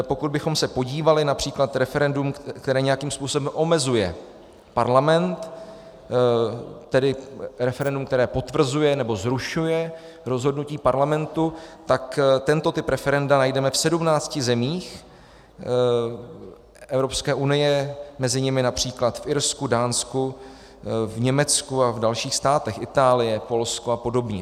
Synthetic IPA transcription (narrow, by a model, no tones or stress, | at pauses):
po̞kud̪̚bɪxo̞msɛpo̞ɟiːvalɪnapr̥iːklat̪ɾɛfɛɾɛndumkt̪ɛɾɛːɲɛjakiːmspuːso̞bɛmʔo̞mɛzujɛ̰ | paɾlamɛnt̪ | ɛdɪɾɛfɛɾɛndumkt̪ɛɾɛːpo̞t̪vr̩zujɛnɛbo̞zɾuʃujɛ | ɾo̞zɦo̞dnuciːpaɾlamɛnt̪ut̪akt̪ɛnt̪o̞t̪ɪpɾɛfɛɾɛndanajdɛmɛfsɛdumnaːt͡scɪzɛmiːx | ʔɛvɾo̞pskɛːʔunɪjɛmɛzɪɲɪmɪnapr̝̥iːklat̪fʔɪɾskudaːnsku | vɲɛmɛt͡skuavdalʃiːxst̪aːt̪ɛxʔɪt̪aːlɪjɛpo̞lskoapo̞do̞bɲɛ